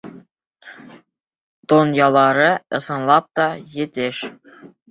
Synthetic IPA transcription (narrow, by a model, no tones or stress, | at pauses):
d̪̥onjɑlˠɑɾɤɤ̆sɤ̆nlˠɑp̚t̪ɒjɘ̆t̪ɘʃ